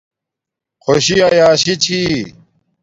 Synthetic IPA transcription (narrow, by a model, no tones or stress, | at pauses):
xʰoɕiɐjaːɕit͡ɕʰi